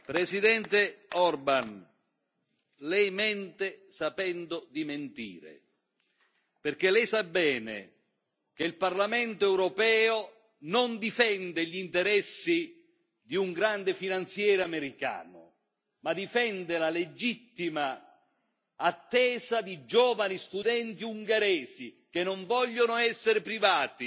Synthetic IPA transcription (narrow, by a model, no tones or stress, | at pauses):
pɾesid̪ɛnt̪eɔrban | lɛjmɛnt̪esapɛnd̪od̪iment̪ḭːɾḛ | perkelɛjsabːɛːnḛ | keilparlamɛnt̪oɛwɾopɛːo | nond̪ifɛnd̪eʎint̪eɾɛsːi | d̪iuŋɡɾand̪efinant̪sjɛːɾameɾika̰ːnʊ̰ | mad̪ifɛnd̪elaled͡ʒit̪ːima | t̪ːɛːzad̪id͡ʒɔːvanist̪ud̪ɛnt̪iuŋɡeɾɛːzikenːoɱvɔʎːonʊɛsːeɾɪpɾivaːt̪i